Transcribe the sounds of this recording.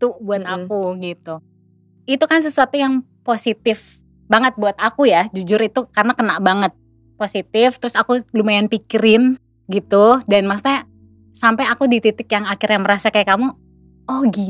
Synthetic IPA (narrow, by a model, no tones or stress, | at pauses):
t̪ubuat̪akuɡit̪u | it̪ukans̬əsuat̪ujaŋ | posit̪ɪf | baŋət̪̚buat̪akujad͡ʒud͡ʒʊɾit̪ukarənakənaʔbaŋət̪̚ | posit̪ɪft̪əɾʊsakulumajanpikiɾɪn | ɡit̪udanmas̬naa | sampajakudit̪it̪ɪkjaŋakɪɾjaŋməɾasakajakamu | ʔɔɡi